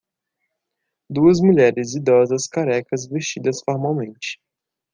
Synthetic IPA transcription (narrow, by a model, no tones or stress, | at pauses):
d̪uɐzmuʎɛɾɪzid̪ɔzɐskaɾɛkɐzvest͡ʃid̪ɐsfoɾmawmẽnt͡ʃɪ̥